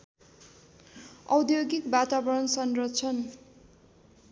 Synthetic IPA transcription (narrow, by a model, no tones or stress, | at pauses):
ʌwd̪joɡikbat̪abʌɾʌnsʌnrot͡sʰʌn